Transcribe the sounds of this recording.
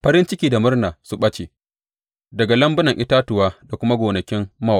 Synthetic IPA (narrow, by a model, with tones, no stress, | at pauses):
ɸɐ˦ɾɪ˦nt͡ʃɪ˦kʲiː˦da˨mʊ˦rnaː˨su˦ɓɐ˦t͡ʃḛ˨ | dɐ˨ɡa˨lɐ˦mbʊ˦nɐ˨ŋʔɪ˦taː˦tʊ˨waː˦da˨kʷʊ˦ma˦ɡʷoː˨nɐ˨kʲɪ˦mːɐ˦w